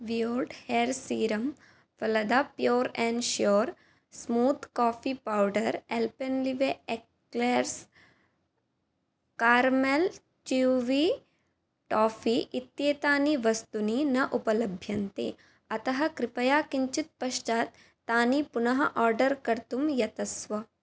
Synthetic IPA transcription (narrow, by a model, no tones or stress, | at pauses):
ʋijoːɾɖheːɾsiːɾɐm | fɐlɐd̪apjoːɾẽːɳɖʃjoːɾ | smuːt̪kaːfiːpawɖɐɾelpenliʋeek | leɾs | kaːɾmel | t͡ʃiʋiː | ʈaːfʰiːʔit̪jeːt̪aːniʋɐst̪uninɐʔupɐlɐbʱjɐnt̪ḭ | ɐt̪ɐɦɐ̆kɾɪpɐjaːkiɲt͡ʃit̪̚pɐʃt͡ʃaːt̪ː | aːnipunɐɦɐʔaːɾɖɐɾkɐɾt̪umjɐt̪ɐsʋɐ